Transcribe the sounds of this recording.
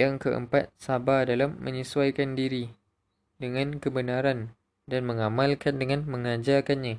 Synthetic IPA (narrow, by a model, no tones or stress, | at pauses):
jaŋkəʔə̰mpat̪̚sabadalamːə̃ɲiswajkandiɾi | dəŋãnkəbənãɾan | danmə̃ŋamãlkandəŋãnmə̃ŋãd͡ʒakanɲã